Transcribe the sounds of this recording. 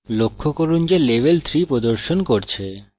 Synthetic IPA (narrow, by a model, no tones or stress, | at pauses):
lokʰːokoɾund͡ʑeleʋelt̪ʰɾipɾod̪oɾʃonkoɾt͡ɕʰe